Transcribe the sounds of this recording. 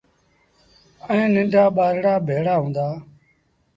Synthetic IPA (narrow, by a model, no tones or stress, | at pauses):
ẽːnɪ̃ɳɖʱaːɓaːɾɽaːbʱeːɽaːɦũːnd̪aː